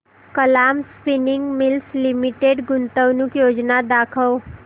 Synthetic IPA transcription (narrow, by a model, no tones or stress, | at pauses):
kəlaːmspɪnɪ̃ŋɡmɪlslɪmɪʈeːɖɡʊnt̪əwnʊkjoːd͡ʒnad̪aːkʰəw